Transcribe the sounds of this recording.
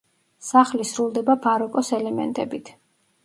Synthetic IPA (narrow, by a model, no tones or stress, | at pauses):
saχlisɾulˠd̪ɛbabaɾɔkʼɔsɛlɛmɛ̰nt̪ʼɛbit̪ʰ